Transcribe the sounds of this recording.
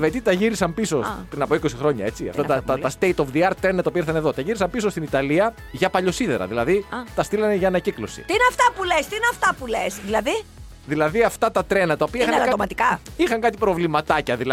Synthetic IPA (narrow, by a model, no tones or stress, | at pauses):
vet̪it̪ɐʝiɾisɐmpiso̞pɾinɐpoiko̞sixɾo̞ɲɐ̰e̞t͡siɐ̰ft̪ɐt̪ɐt̪ɐɐst̪ejt̪ofðiɐɾt̪ɾenɐt̪ɐopiɐiɾθɐneðo̞t̪ɐʝiɾisɐmpisost̪init̪ɐliɐ | ʝɐpɐʎo̞siðe̞ɾɐ̰ðilɐ̰ðit̪ɐst̪ilɐneʝɐːnɐciklo̞sḭt̪iineɐft̪ɐpulest̪iineɐft̪ɐpulesðilɐði | ðilɐðiɐft̪ɐt̪ɐt̪ɾenɐt̪ɐopiɐixɐomɐt̪ikɐixɐŋkɐt̪ipɾo̞vlimɐt̪ɐcɐðilɐ